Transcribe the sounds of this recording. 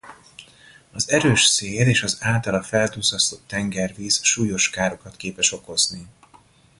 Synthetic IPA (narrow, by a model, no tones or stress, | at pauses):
ɒzɛɾøːʃseːleːʃɒzaːlt̪ɒlɒfɛlt̪uːzɒst̪oːt̪ɛŋɡɛrviːzʃuːjo̞ʃkaːɾo̞kɒt̪keːpɛʃo̞ko̞zni